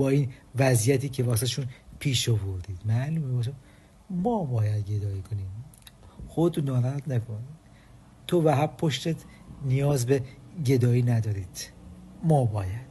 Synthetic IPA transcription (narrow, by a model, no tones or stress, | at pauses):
bɒːiːnvæzijæt̪ʰiːcʰevɒːsæt̪eʃuːnpʰiːʃovoɾd̪iːd̪̥mæʔluːmebɒs̬e | mɒːbɒːjæd̪ɡed̪ɒːiːkʰoniːm | xod̪nɒːɾæd̪nækʰoni | t̪ʰovæɦæbpʰːoʃt̪et̪ʰ | nijɒːzbeɟe̞d̪ɒːiːnæd̪ɒːɾiːd̪̥mɒːbɒːjæd̪̥